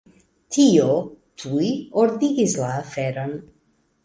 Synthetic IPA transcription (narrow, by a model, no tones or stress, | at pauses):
t̪ʰijot̪ʰujɔɾd̪iɡizlafɛɾan